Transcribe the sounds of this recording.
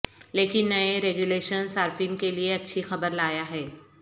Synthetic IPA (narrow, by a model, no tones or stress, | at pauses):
leːkɪnːɐeɾeːɡuleːʃənsaːɾfiːnkelieɐtːʃʰixɐbəɾlaːjaɦɛː